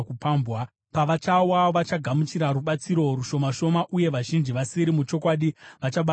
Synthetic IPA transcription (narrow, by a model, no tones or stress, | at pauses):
kupaːmbwa | paʋat͡ʃawaʋat͡ʃaɡʱamut͡ʃiɾaɾuɓat͡siɾo̞ɾuʃo̞maʃo̞maʔuje̞ʋaʒind͡ʒiʋasiɾimut͡ʃo̞kwaːɗiʋat͡ʃaɓa